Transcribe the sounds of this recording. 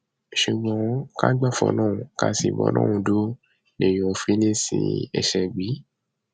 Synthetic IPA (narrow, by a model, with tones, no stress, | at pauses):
ʃu˨ɡ͡bɔ̃˨˦ka˦ɡ͡ba˦˨fɔ̰̃˨˦nãː˦˨wũ˨ka˦sḭ˧˨bɔ̰˧˦nʔã̰˦˨wũ˧do˦ | nẽ˨jo˨fi˦le˦sḭ̃˧ɛ̰˧ʃɛ˧˨ɡ͡bi˨˦